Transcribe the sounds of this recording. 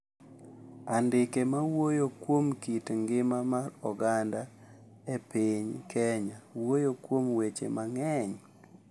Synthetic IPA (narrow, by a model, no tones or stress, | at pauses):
andɪkemawojokwomkitŋɡɪmamarɔɡanda | epiɲkʰɛɲawojokwomwet͡ʃḛmaŋɛɲ